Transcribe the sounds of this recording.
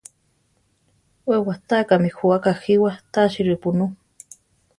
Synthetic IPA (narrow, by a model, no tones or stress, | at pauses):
wewaht̪aːkamixuakaxiwat̪aːʃiɾɨpunu